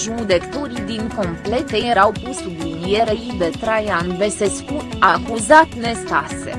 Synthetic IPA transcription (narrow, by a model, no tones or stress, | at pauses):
ʒud̪e̞kt̪oɾid̪iŋko̞mple̞t̪ejeɾawpusb̪injeɾeid̪et̪ɾajanveseskut̪akuzat̪ne̞st̪ase̞̰